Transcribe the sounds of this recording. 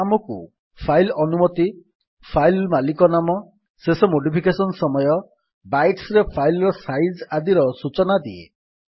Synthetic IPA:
amɔkṵ | pʰajlɔnumɔt̪i | pʰajlmalikɔnamɔ | sesɔmoɖipʰikesɔnɔsɔmɔjɔ | bajʈsɾepʰajlɔɾɔsajd͡ʒad̪iɾɔsut͡ʃɔnad̪ḭḛ

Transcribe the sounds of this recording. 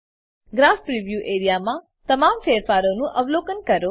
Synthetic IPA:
ɡɾafpɾiʋjuʔeɾijamã | t̪əmamfeɾfaɾonũʔəʋlokənkəɾo

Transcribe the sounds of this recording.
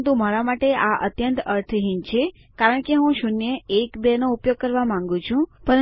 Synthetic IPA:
t̪umaɾamaʈeʔaʔət̪jənt̪əɾt̪ʰɦint͡ʃʰe | kaɾəɳ̃keɦũʃunjeekbenoupjoɡ̚kəɾʋamãŋ̆ɡũt͡ʃʰũpəɾə

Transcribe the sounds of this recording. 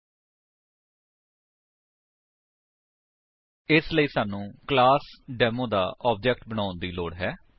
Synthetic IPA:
ɪsləiːsaːnũːklaːsɖɛːmõːd̪a̰ːʔɔːp̚d͡ʒɛːkʈbəɽ̃aːʊ̃nd̪iːloːɽɦɛː

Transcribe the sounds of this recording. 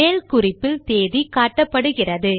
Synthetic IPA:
eːlkʊrɪpːɪlt̪eːðikaːʈːɐpːɐɽɯɣɪrɐðɯ

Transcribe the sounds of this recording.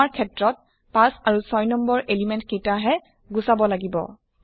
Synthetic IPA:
aɹkʰɛtɹɔt̚ | pãsaɹusɔjnɔmbɔɹʔelimɛntkejtaɦɛ | ɡusabɔlaɡibɔ̰

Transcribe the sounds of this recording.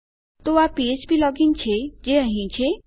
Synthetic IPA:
t̪oapiet͡ʃbʱilɔːɡiŋt͡ʃʰed͡ʒeəɦĩt͡ʃʰe

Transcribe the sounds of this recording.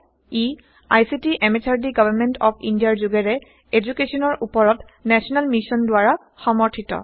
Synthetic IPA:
i | ajsitiʔɛmet͡ʃʰaɹdiɡabʱaɹmɛntɔpʰindijaɹzuɡɛɹɛ | ed͡ʒukesɔnɔɹʔupɔɹɔt | nɛsɔnalmisɔndʊaɹa | xɔmɔɹtʰitɔ̰

